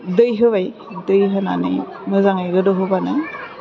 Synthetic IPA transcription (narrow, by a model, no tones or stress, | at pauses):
dɯjɦɯbaj | dɯjɦɯna̰nɯ̰j | mɯzaŋajɡɯdɯɦɯbanɯ